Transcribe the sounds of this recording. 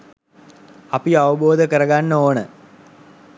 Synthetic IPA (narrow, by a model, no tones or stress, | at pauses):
ɐpiɐʋəboːd̪ʱəkəɾɐɡanːoːɳə